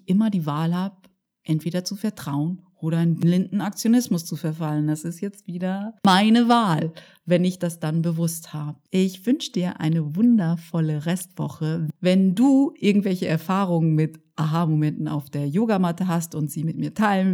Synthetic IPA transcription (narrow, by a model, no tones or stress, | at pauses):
ʔɪmɐdiːvaːlhaːb̚ | ʔɛntv̥eːɾɐt͡sufɛɐtʁ̥aʊənʔoːɾɐaɪnblɪndn̩ak̚t͡sjonɪsmʊst͡sufɛɐfaləndasɪstjɛt͡stv̥iːdɐmaɪnəvaːl | vɛnɪçd̥asd̥anbəvʊsthaːbəəʔɪçv̥ʏnʃəd̥iːɐʔa̰ɪnəvʊndɐfɔləʁɛstv̥ɔ̰χəvɛnduːʔɪɐɡŋ̩tv̥ɛlçəʔɛɐfaːʁʊŋənmɪtʔaɦamomɛntn̩a̰ʊfd̥eːɐjoːɡamatəɦastʊntz̥iːmɪtmiːɐtʰaɪlən